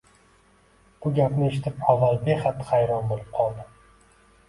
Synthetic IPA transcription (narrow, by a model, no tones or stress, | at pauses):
b̥ʊɡʲapnɪeʃɪt̪ʰɪpavːalbeχat̪ːχajɾɒnbolɪp̚qʰɒlˠd̪ɪ